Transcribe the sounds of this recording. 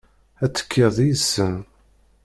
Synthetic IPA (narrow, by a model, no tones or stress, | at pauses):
æt͡sːə̥kʰːeðˤijəsːən